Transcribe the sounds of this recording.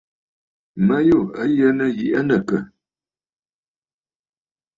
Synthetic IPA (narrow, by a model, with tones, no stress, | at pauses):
mə˦jo˦˨ə˦jə˦nə˦ji˨ʔə˦nə˨kə˨